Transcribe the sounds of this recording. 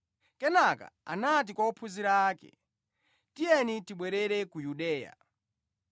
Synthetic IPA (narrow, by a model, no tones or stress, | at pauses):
kɛnaka̰a̰nat̬ikwɔɔpʰuziɾaːkɛ̰ | tijɛnitiɓwɛɾɛɾɛkujuɗɛːja̰